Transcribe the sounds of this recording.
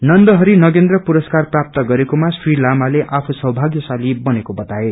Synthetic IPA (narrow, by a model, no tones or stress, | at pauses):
nʌnd̪ʌɦʌɾinʌɡend̪rʌpuɾʌskarprap̚t̪ʌɡʌɾekomasrilamaleʔapʰusʌɦbʱaɡjʌsalibʌnekobʌt̪ae